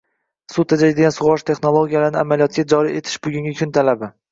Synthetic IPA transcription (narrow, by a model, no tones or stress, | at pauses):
sʊt̪ʰːad͡ʒad̪ɪɡʲansʊʁɒʃt̪ʰe̞χnolˠoɡʲijalaɾnɪamalijɒt̪̚ɡʲad͡ʒɒɾie̞t̪ʰɪ̥ʃbʊɡʲʊŋɡʲɪkʲʰʊnt̪ʰalabɪ